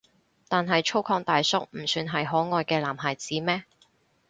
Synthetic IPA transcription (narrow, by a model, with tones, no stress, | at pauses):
t̪aː˨nɦɐ˨jt͡ʃʰo˥wkʰɔː˧ŋt̪aː˨jsʊ˥k̚m̩˨˩syː˨˧nɦɐ˨jɦɔː˨˥ŋɔː˨jkɛː˧laː˨˩mɦaː˨˩jt͡siː˨˥mɛː˥